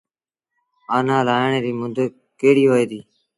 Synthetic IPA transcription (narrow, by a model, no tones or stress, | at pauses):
aːnãːlaːjəɳeːɾiːmʊ̃nd̪ə | keːɽiːoːeːd̪iː